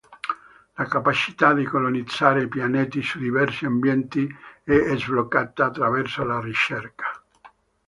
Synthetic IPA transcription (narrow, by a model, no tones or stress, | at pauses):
lakapat͡ʃi̥t̪ad̪ikolonid̪z̥ːaːɾeipjaneːt̪isud̪ivɛrsiambjɛnt̪iɛezvlokːat̪ːaːt̪ːɾavɛrsolarit͡ʃɛrkḁ